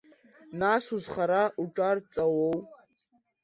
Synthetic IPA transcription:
nasuzχaɾaʔuʈ͡ʂʼart͡sʼawow

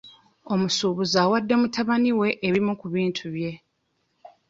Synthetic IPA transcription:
o̞musuːβuzaːwadːe̞mutʰaβaniwe̞ʔːβimukuβiːntʰuβje̞

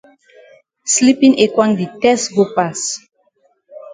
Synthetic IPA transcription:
slipĩŋekwãŋditɛsɡopas

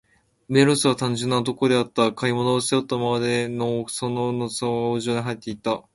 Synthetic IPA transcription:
me̞ɾosɨβat̪ãɲ̟d͡ʑɨ̃nːaot̪o̞ko̞d̪e̞at̪ːakaimo̞noːst̪ejot̪ːamaβad̪enosononoaɡaoʑo̞ːɲiɦait̪ːe̞it̪ːa

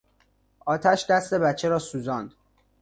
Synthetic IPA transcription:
ʔɒːt̪ʰæʃd̪æst̪e̞bæt͡ʃʰːe̞ɾɒːsuːzɒnd̪̥

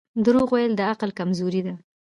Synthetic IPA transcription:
d̪ɾoɣwajəld̪əaqlkamzoɾid̪a

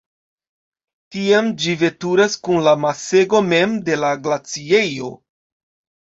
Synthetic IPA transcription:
tiamd͡ʒive̞tuɾaskunlamase̞ɡo̞me̞mde̞laɡlat͡sie̞jo̞

